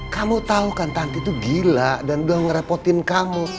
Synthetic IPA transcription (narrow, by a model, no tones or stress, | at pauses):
kamut̪aukant̪ant̪it̪uɡilaʔdanbuaŋəɾepɔt̪ɪnkamu